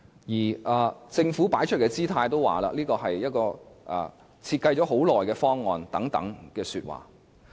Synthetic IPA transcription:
jiː˨˩ʔɐː˨˩t͡sɪ˧ŋfu˨˥paː˨˥jt͡ʃʰɵ˥t̚kɛː˧t͡siː˥t̪ʰaː˧jt̪o˥wa̰ː˨˩la̰ː˧liː˥kɔː˧ɦɐ˨jjɐ˥t̚kɔː˧ʔɐ̰˨˩ | t͡sʰiː˧t̚kɐ˧jt͡ʃɔ˨˥ɦo˨˥wlɔː˨˩jkɛː˧fɔː˥ŋːɔː˧nt̪ɐ˨˥ŋt̪ɐ̰˨˥ŋkɛː˧syː˧t̚wa̰ː˨˩

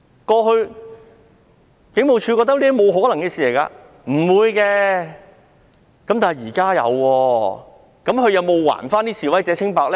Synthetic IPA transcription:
kɔː˧ɦɵ˧ɥ | kɪ˨˥ŋmo˨wt͡ʃʰyː˨˧kɔ˧t̪̚liː˥mo˨˧wɦɔː˨˥lɐ˨˩ŋkɛ˧siː˨le˨˩jka̰ː˧ | m̩˨˩wuː˨˧jkɛː˧ | kɐ˨˥mt̪aː˨˩˨jiː˨˩kaː˥jɐ̰˨˧wːɔː˧ | kɐ˨˥mhɵ˨˧ɥjɐ˨˧wmo˨˧wːa̰ː˨˩nfaː˥nt̪iː˥siː˨wɐ˨˥jt͡sɛː˨˧t͡sʰɪ˥ŋpaː˧k̚lɛ˥

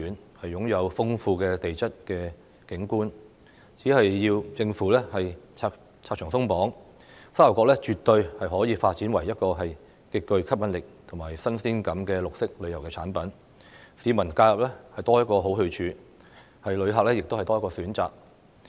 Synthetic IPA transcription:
yː˨˥nhɐ˨jːʊ˨˥ŋjɐ˨˧wfʊ˥ŋfuː˧kɛː˧t̪e˨jt͡sɐ˥t̚kɛː˧ | kɪ˨˥ŋkuː˥n | t͡si˨˥hɐ˨jjiː˧wt͡sɪ˧ŋfuː˨˥lɛː˥hɐ˨jt͡sʰaː˧ | t͡sʰaː˧˨˩ŋsʊ˥ŋpɔː˨˥ŋ | sa˥˩ɐ˨˩kɔː˧k̚lɛː˥t͡ʃyː˨t̪ɵ˧ɥhɐ˨jɦɔː˨˥jiː˨˧faː˧t̚t͡siː˨˥nwɐ˨˩jːɐ˥t̚kɔː˧ɦɐ˨j | kɪ˧kːɵ˧ɥkʰɐ˥p̚jɐ˨˥nlɪ˨k̚t̪ʰʊ˨˩ŋmaː˨˩jsɐ˥nsiː˥nkɐ˨˥mkɛː˧lʊ˨k̚sɪ˥k̚lɵ˨˧jɐ˨˩wkɛː˧t͡sʰaː˨˥npɐ˨˥n | siː˨˧mɐ˨˩nkaː˧jɐ˨˩p̚lɛː˥hɐ˨jt̪ɔː˥jɐ˥t̚kːɔː˧ɦo˨˥wɦɵ˧ɥt͡ʃʰyː˨˧ | hɐ˨jlɵ˨˧ɥɦaː˨k̚lɛː˥jɪ˨k̚t̪o˥whɐ˨jt̪ɔː˥jɐ˥kɔː˧syː˨˥nt͡sa̰ː˨k̚

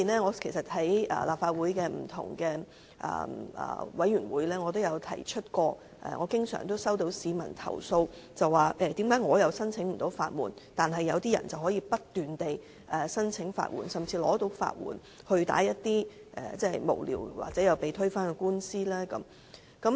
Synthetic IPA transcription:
i˨˩nlɛː˥ŋɔː˨˧kʰe˨˩sɐ˨t̚hɐ˨˥jɐ̰ː˨laː˨p̚faː˧t̚wuː˨˥jkɛː˧m̩˨˩t̪ʰʊ̰˨˩ŋkɛː˧ | ʔɐ̰ː˨˩ʔɐ̰ː˨wɐ˨˥jyː˨˩nwuː˨˥jlɛː˥ŋɔ˨˧t̪̬o˥wjɐ˨˧wt̪ʰɐ̰˨˩jt͡ʃʰɵ˥t̚kɔː˧ | ʔɛ̰ː˨˩ŋʔɔː˨˧kɪ˥ŋsœ̰ː˨˩ŋt̪o˥wsɐ˥wt̪o˨˥wsiː˨˧mɐ̰˨˩nt̪ʰɐ̰˨˩wso˧wt͡sɐ˨wːaː˨˩ʔɛː˧t̪i˨˥mkaː˨˥jŋɔː˨˧jɐ˨˧wsɐ˥nt͡sʰɪ˨˥ŋm̩˨˩t̪o˨˥wfa̰ː˧t̚mṵː˨˩nt̪aː˨nɦɐ˨jːɐ˨˧wt̪iː˥jɐ̰˨˩nt͡sɐ˨whɔː˨˥jiː˧pɐ˥t̚t̪ːyː˨˩nt̪e˨j | ʔɛ˨sɐ˥nt͡sʰɪ˨˥ŋfa̰ː˧˨t̚mṵ˨˩nsɐ˨mt͡sʰiː˧lɔ̰ː˨˥t̪o˨˥wfa̰ː˧t̚wṵː˨˩n | hɵ˧t̪a̰ː˨˥jɐ˥t̚t̪iː˥ʔɛ̰ː˨˩t͡sɛː˥˩mo̰˨˩wlḭː˨˩wwa̰ː˨k̚t͡sɛ˨˥jɐ˨˧wpe˨jt̪ʰɵ˥ɥfaː˥nkɛ˧kuː˥nsiː˥lɛː˥kɐ˨˦m | kɐ˨˥m

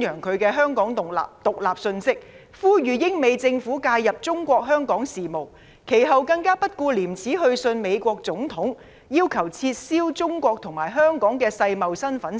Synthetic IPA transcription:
jœː˨˩ŋkʰɵ˨˧ɥkɛː˧ɦœː˥ŋkɔː˨˥ŋʊ˨t̪ʊ˨k̚laː˨˩p̚sɵ˧nsɪ˥k̚ | fuː˥jyː˨jɪ˥ŋme˨˧jt͡sɪ˧ŋfuː˨˥kaː˧jɐ˨p̚t͡sʊ˥ŋkʷɔː˧k̚ɦœː˥ŋkɔː˨˥ŋsiː˨˩mo˨˩w | kʰe˨˩jɦɐ˨wkɐ˧ŋkaː˥pɐ˥t̚kuː˧liː˨˩mt͡sʰiː˨˥ɦɵ˧ɥsɵ˧nme˨˧jkʷɔː˧k̚t͡sʊ˨˥ŋt̪ʰʊ˨˥ŋ | jiː˥wkʰɐ˨˩wt͡sʰiː˧t̚siː˥wt͡sʊ˥ŋkʷɔː˧k̚t̪ʰʊ˨˩ŋmaː˨˩jɦœː˥ŋkɔː˨˥ŋkɛː˧sɐ˧jmɐ˨wsɐ˥nfɐ˨˥n

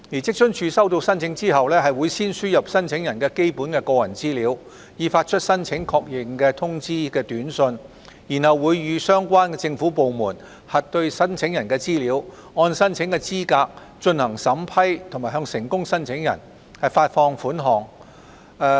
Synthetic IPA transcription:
jiː˨˩t͡sɪ˥k̚t͡ʃɵ˥nt͡ʃʰyː˨˧sɐ˥wt̪o˧wsɐ˥nt͡sʰɪ˨˥ŋt͡siː˥hɐ˨wlɛː˥ɦɐ˨jwuː˨˧jsiː˥nsyː˥jɐ˨p̚sɐ˥nt͡sʰɪ˨˥ŋjɐ˨˩nkɛː˧ke˥jpuː˨˥nkɛː˧kɔː˧jɐ̰˨˩nt͡siː˥liː˨˧˥w | jiː˨˩faː˧t̚t͡ʃʰɵ˥t̚sɐ˥nt͡sʰɪ˨˧˥ŋkʰɔː˧k̚jɪ˨ŋkɛː˧t̪ʰʊ˥ŋt͡siː˥kɛː˧t̪yː˨˥nsɵ˧n | ji˨˩nhɐ˨wːuː˨˧jːyː˨˧sœː˥ŋkʷaː˥nkɛː˧t͡sɪ˧ŋfuː˨˥po˨wmuː˨˩n | hɐ˨t̚t̪ɵ˧ɥsɐ˥nt͡sʰɪ˨˥ŋjɐ˨˩nkɛː˧t͡siː˥liː˨˥w | ŋɔː˧nsɐ˥nt͡sʰɪ˨˥ŋkɛː˧t͡siː˥kaː˧k̚ | t͡ʃɵ˧nhɐ˨˩ŋsɐ˨˥mpʰɐ˥jt̪ʰʊ˨˩maː˨˩hɦœː˧ŋsɪ˨˩ŋkʊ˥ŋsɐ˥nt͡sʰɪ˨˥ŋjɐ̰˨˩n | hɐ˨jfaː˧t̚fɔː˧ŋfuː˨˥nɦɔː˨˩ŋ˧

